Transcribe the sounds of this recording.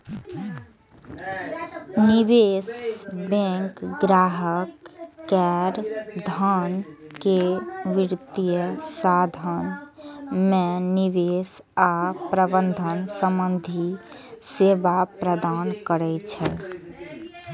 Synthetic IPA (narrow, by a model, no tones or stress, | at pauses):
niβesbɛ̃ŋkɡɾaɦəkːɛɾd̪ʱənkeʋiɾt̪ijəsad̪ʱən | meniβesapɾəbənd̪ʱənsəmbənd̪ʱi | sebapɾəd̪ankəɾɛt͡ʃʰɛ